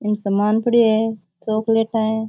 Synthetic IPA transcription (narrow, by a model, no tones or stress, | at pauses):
ɪnsɐmaːnpʰəɽie | t͡ʃoːkleːʈaːẽː